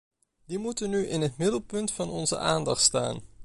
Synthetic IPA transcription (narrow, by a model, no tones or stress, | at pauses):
dimutənːyʔɪnɦətmɪdəlˠpɵntfɑnɔnzə̰ʔaːndɑχtsta̰ːn